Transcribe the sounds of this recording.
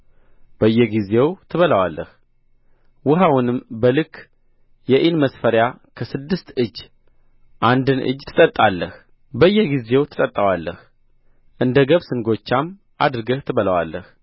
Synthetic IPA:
b̥əjːɛɡize̞wt̪ʰɨβələwalːəh | wʊɦawunɨmbəlɨkʰː | jɛʔinməsfəɾjakʰəsɨd̪ːɨst̪ɨd͡ʒː | ʔand̪ɨnʔɨ̰d͡ʒt̪ʰɨ̥t̪ʼət̪ʼːalːəh | bəjːɛɡize̞wt̪ʰɨ̥t̪ʼət̪ʼːəwalːəh | ʔɨnd̪əɡəβsɨŋɡo̞t͡ʃːam | ʔa̰d̪ɾɨɡəht̪ʰɨβələwa̰lːəh

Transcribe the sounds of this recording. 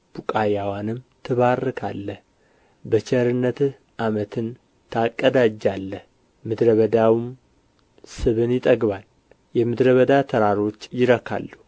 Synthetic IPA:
b̥ukʼajawanɨmt̪ʰɨβarːɨkʰa̰lːəh | bət͡ʃɛɾɨnːət̪ | ʔamət̪ʰɨn | t̪ʰakʼːəd̪ad͡ʒalːəh | mɨd̪ɾəβəd̪awm | sɨβɨnjɪt̪ʼəɡβal | jɛmɨd̪ɾəβəd̪at̪ʰəɾaɾo̞t͡ʃːjɪɾəkʰa̰lːu

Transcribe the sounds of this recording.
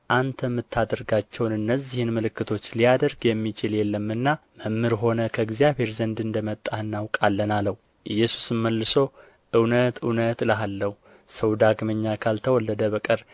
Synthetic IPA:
ʔant̪ʰəmːɨt̪ʰːad̪əɾɡat͡ʃːɛwnɨnːəzːihɨnmɨlɨkːɨt̪ʰo̞t͡ʃːlijad̪əɾɡjɛmːit͡ʃɪljɛlːəmːɨnːaməmːɨɾɦo̞nəkʰəɪɡzijaβe̞ɾzənd̪ɨnd̪əmət̪ʼːahɨnːawkʼalːənaləwu | ʔɨjːɛsu̥sɨmməlːɨso̞ | ʔɨwnət̪ɨwnət̪ləɦalːəhu | səwd̪aɡməɲːakʰalt̪ʰəwɔlːəd̪əβəkʼəɾ

